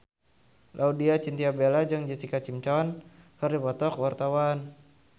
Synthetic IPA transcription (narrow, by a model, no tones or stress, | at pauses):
lʔaudiat͡ʃint̪iabelad͡ʒɨŋd͡ʒisikat͡ʃimt͡ʃɔnkɨrdipɔt̪ɔkwart̪awan